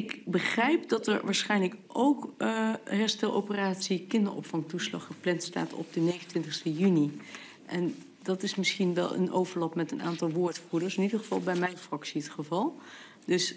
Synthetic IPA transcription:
ɪkbəχrɛjpdɑtɛ̰ɹʋaːɹsχɛjnləkʔowk | ɦɛɹstɛlˠʔo̰wpəraːtsikɪndəɹʔɔ̰pfɑŋtuslɑ̰χəplɛntsta̰ːtʰɔ̰b̚dənejχəntʋɪntɪχstəjyni | ʔɛn | dɑtɪsmɪsχinʋɛ̰lˠə̰nʔowvəɹlɑpmɛtəna̰ːntɑlˠʋʊːɹtfuədəɹsɪnidəɹχəv̥ɑlˠbɛjmɛjnfrɑksiətχəvɑlˠ | dɵs

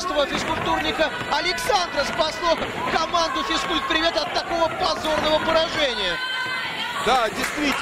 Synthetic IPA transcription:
st̪əvəfʲɪskʊlʲp̚t̪urnʲɪkə | ɐlʲɪksand̪ɾəspɐslˠo | kɐmand̪ʊfʲɪskulʲt̪̚pɾʲɪvʲet̪ɐt̪ːɐko̞vəpɐzo̞rnəvəpəɾɐʐɛnʲɪjə | d̪adʲɪjst̪vʲi

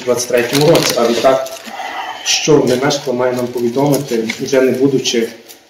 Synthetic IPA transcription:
d̪ʋat̪t͡sʲsʲɛ̥t̪ʲɾɛtʲɔmʊɾɔsʲiɐlʲɛt̪ak | ʃt͡ʃɔnɛmɛʃt̪lˠɔmɑjɛnampɔʋʲid̪ɔmɪt̪ɪʒɛnɪbud̪ʊt͡ʃɪ

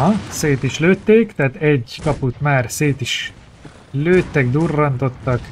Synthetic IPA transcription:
ɒseːt̪iʃløːt̪ːeːkt̪æɦaːt̪ɛɟkɒput̪maːrseːt̪iʃ | løːt̪ːɛɡd̪urːɒnt̪o̞t̪ːɒk

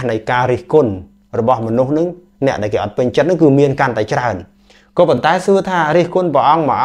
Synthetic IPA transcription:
nɨjkaːɾiəhkʊn | rɔɓɑhmɔnuhnɨŋ | nɛ̆əʔɗaɛlkeːʔɑt̪̚pɨɲt͡ɕət̪̚nɨŋkɨːmiənkant̪aɛt͡ɕraən | kɔːpont̪aɛsuət̪ʰaːɾiəhkunprəʔɑŋməʔa

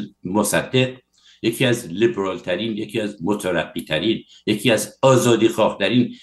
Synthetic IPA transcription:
mosæd̪ːe̞q | jecʰiːæzlibeɾɒːlt̪ʰæɾiːnjecʰiːæzmot̪ʰæɾæbːiːt̪ʰæɾiːn | jecʰiːæzɒːzɒːd̪iːxɒːht̪ʰæɾiːn

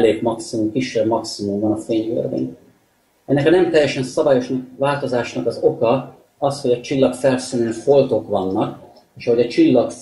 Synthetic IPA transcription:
leːkmɒksimumkiʃːɛbmɒksimumbɒnɒfeːɲø̰rvḛːn | ɛnːɛkɒnɛmt̪ɛjːɛʃɛnsɒvaːjo̞ʃnɒk̚vaːlt̪o̞zaːʃnɒkɒzo̞kɒ | ɒsho̞ɟɒt͡ʃilːɒkfɛlsønønfolt̪o̞kʋɒnːɒk | eːʃɒɦo̞ɟɒt͡ʃilːɒk

